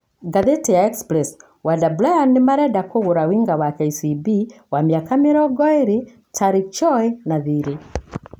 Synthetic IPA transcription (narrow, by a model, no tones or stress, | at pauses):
ɡaðetɛjaɛkspɾɛs | wadablajanemaɾɛdakoɣoɾawiŋɡawakɛisibiwamjakameɾɔɡɔeɾe | tʰaɾit͡ʃɔɛnaðiɾe